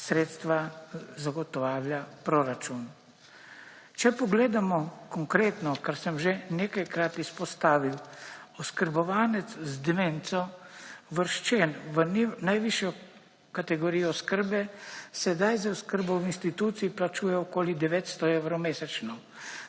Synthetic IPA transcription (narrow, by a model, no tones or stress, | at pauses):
sɾeːt̪st̪ʋazaɡɔt̪ɔʋaːwljapɾoɾat͡ʃun | t͡ʃɛpɔɡleːd̪amɔkɔŋkɾeːt̪nɔkaɾsəmʒeneːkajkɾat̪ispɔst̪aːʋiwɔskəɾbɔʋaːnɛt̪szd̪ɛment̪sɔʋəɾʃt͡ʃenʋənnajʋiʃjɔ | kat̪ɛɡoɾijɔskəɾbɛsɛd̪ajzauskəɾbɔwinst̪it̪uːt̪siiplat͡ʃuːjɛɔkoːlid̪ɛʋeːt̪st̪ɔeːwɾɔmeːsɛt͡ʃnɔw